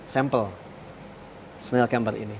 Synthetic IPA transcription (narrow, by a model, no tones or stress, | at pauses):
sɛmpəl | snelkɛmbərḭni